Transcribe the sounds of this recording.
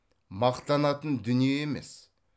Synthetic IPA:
mɑqt̪ɑnɑt̪ənd̪ʏnijeemḛs

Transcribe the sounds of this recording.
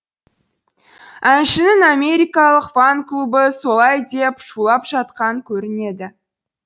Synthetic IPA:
ænʃɪnɪŋame̞ɾʲijkɑlˠəqfaŋklˠubəso̞lˠɑjd̪e̞pʃulˠɑpʒ̥ɑt̪qɑŋkʲʰɵɾɪne̞d̪ɪ

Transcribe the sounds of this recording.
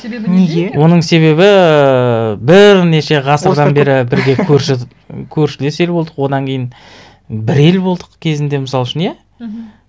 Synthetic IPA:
neɡʲwo̞nəɴse̞βe̞βɪ | bɪɾneʃe̞ʁɑsəɾɾd̪ɑnbe̞ɾɪbɪɾɡʲe̞kʲʰɵɾʃɪ | kʲʰɵɾʃɪlese̞lbolˠd̪əqwo̞d̪ɑŋkʲʰe̞jɪn | bɪɾe̞lbo̞lˠd̪əqkʲʰe̞zɪnd̪e̞məsɑlˠʃɪnje

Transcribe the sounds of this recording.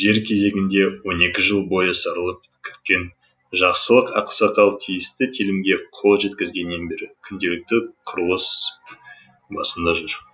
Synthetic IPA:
ʒe̞ɾkʲʰe̞ze̞ɡʲɪnd̪e̞wo̞ne̞kʲɪʒəlˠbo̞jəsɑɾəlˠəp̚ | kʲʰʏ̥t̪̚kʲe̞n | ʒɑqsəlˠəqɑqsɑqɑlˠt̪ʰijɪst̪ɪt̪ʰilɪmɡʲe̞qʰo̞lˠʒe̞t̪kʲɪzɡʲe̞nːe̞nbe̞ɾɪkʲʰʏnd̪e̞lɪk̚t̪ɪqʰʊɾuwˠəs | bɑsənd̪ɑʒʊɾ

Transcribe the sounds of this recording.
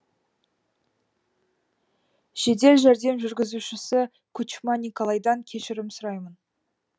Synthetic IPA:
ʃe̞d̪e̞lʒæɾd̪e̞mʒʏɾɡʲɪzuʃɪsɪ | kʰut͡ʃmɑnʲikolˠɑjd̪ɑŋkʲʰe̞ʃɪɾɪmsʊɾɑjmən

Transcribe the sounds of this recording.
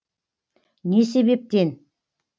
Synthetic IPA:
nes̬eβep̚t̪en

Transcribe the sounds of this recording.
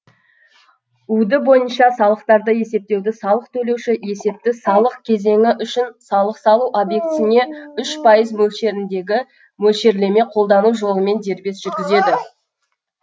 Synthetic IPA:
ud̪ɪbo̞jənʃɑsɑlˠəq̚t̪ɑɾd̪əje̞se̞p̚t̪e̞wd̪ɪsɑlˠəq̚t̪ʰɵle̞wʃɪje̞se̞p̚t̪ɪsɑlˠəqkʲʰe̞ze̞ŋʲɪʔʏʃɪnsɑlˠəqsɑlˠuʔobje̞kt̪sɪne̞ʏʃpʰɑjəzmɵlʃe̞ɾɪnd̪e̞ɡʲɪ | mɵlʃe̞ɾle̞me̞qʰo̞lˠd̪ɑnuʒo̞lˠəme̞nd̪e̞ɾbe̞sʒ̥ʏɾɡʲɪze̞d̪ɪ

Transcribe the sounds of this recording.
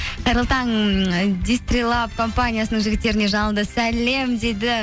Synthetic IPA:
qʰɑjɾəlˠt̪ɑnd̪ist̪rʲilˠapkʰo̞mpanʲijasənəŋʒɪɡʲɪt̪ːe̞ɾɪne̞ʒɑnəlˠd̪əsæle̞md̪e̞d̪ɪ

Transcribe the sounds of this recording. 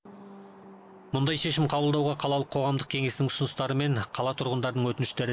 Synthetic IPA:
mʊnd̪ɑjʃe̞ʃɪmqʰɑbəlˠd̪ɑwʁɑqʰɑlˠɑlˠəqʰːo̞ʁɑmd̪əq̚kʲʰe̞ŋe̞snɪŋʊsʊnəst̪ɑɾəme̞ɴqʰɑlˠɑt̪ʰʊɾʁənd̪ɑɾd̪əɴwɵt̪ɪnɪʃt̪e̞ɾɪ

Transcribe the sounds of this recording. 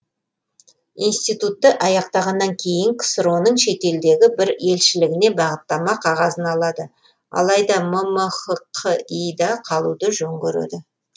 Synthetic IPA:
inst̪ijt̪ut̪ːəʔɑjɑqt̪ɑʁɑnːɑŋkʲʰe̞jɪŋkʲʰɪ̥səɾo̞nəɴʃe̞t̪e̞ld̪e̞ɡʲɪbɪɾe̞lʃɪlɪɡʲɪne̞bɑʁət̪ːɑmɑqʰɑʁɑzənɑlˠɑd̪ə | ɑ̰lˠɑjd̪ɑmʊməχəqʰːəijd̪ɑqʰɑlˠud̪əʒoŋɡʲɵɾḛd̪ɪ

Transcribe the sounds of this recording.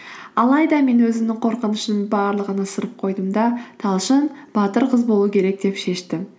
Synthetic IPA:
ɑlˠɑjd̪ɑme̞nwɵzɪmnɪŋqʰo̞ɾqənəʃnənbɑɾlˠəʁənəsəɾəp̚qʰo̞jd̪əmd̪ɑt̪ʰɑlˠʃənb̥ɑt̪əɾqʰəzbolˠuəkʲʰe̞ɾe̞k̚d̪e̞pʃe̞ʃt̪ɪ

